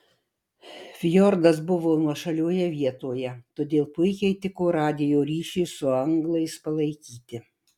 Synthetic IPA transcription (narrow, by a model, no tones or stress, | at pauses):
fʲjɔɾd̪ɐs̬bʊʋoːnuɔʃɐlʲoːjɛʋʲiɛt̪oːjɛt̪oːd̪ʲeːlˠpʊɪkʲɛɪt̪ʲɪkoːɾɑːd̪ʲɪjoːɾʲiːʃʲɪɪsʊɐŋɡlˠɐɪspɐlˠɐɪkʲiːt̪ʲɪ